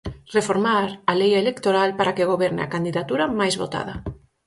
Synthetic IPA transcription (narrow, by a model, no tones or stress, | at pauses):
refoɾmaɾalejaelekt̪oɾalpaɾakeɣ̞oβɛɾnḛa̰kand̪iðat̪uɾamajzβo̰t̪a̰ð̞a